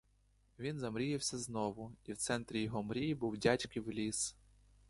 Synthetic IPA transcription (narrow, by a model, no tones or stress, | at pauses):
ʋʲinzɐmɾʲijɪwsʲɐznɔʋʊiwt̪sɛnt̪ɾʲijɔɦɔmɾʲijibuwdʲatʲkɪwlʲis